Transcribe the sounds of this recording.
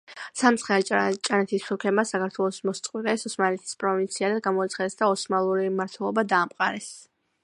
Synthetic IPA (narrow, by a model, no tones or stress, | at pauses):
samt̪sʰχɛlt͡ʃʼanɛt̪ʰisːuɾkʰɛbmasakʰaɾt̪ʰwɛlˠɔsmɔst̪sʼqʼwiɾʼɛsɔsmanlɛt̪ʰi̥spʼɾɔvint̪sʰiad̪aɡamɔit̪sʰχaɛsd̪aɔsmalˠuɾimaɾt̪ʰwɛlˠɔbad̪aːmqʼaɾɛs